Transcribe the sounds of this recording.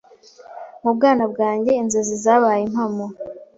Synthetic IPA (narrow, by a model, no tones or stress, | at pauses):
mub̚ɡaːnabɡaːɲɟe̞inzezizaβaːjemhamo